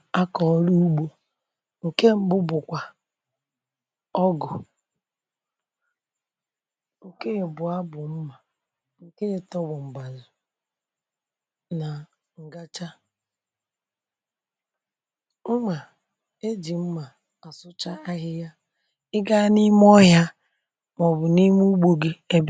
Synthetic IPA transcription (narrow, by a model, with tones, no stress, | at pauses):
a˦kɔ˨˦ɾu˦u˦ɡ͡bo˨ | ŋ̩˨ke˦m̩˦ɡ͡bʊ˦bʊ˨kʷa˨ | ɔ˦ɡʊ˨ | ŋ̩˨ke˦˨bʊ˨a˦bʊ˨m̩˦ma˨ | ŋ̩˨ke˦e˨tɔ˦wʊ˨m̩˨ɡ͡ba˨zʊ˨ | na˨ | ŋ̩˨ɡa˦t͡ʃa˦ | ma˨ | e˦d͡ʒi˨m̩˦ma˨ | a˨sʊ˦t͡ʃa˦a˦ɦɪ˦ja˦ | ɪ˦ɡa˦ni˦m˦ɔ˦ja˦ | mɔ˨bʊ˨ni˦mu˦ɡ͡bo˨ɡe˦e˦b